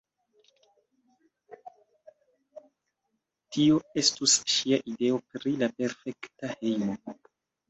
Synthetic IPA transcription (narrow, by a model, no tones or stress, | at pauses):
tio̞e̞stusʃiaʔide̞o̞pɾilape̞ɾfe̞ktahe̞jmo̞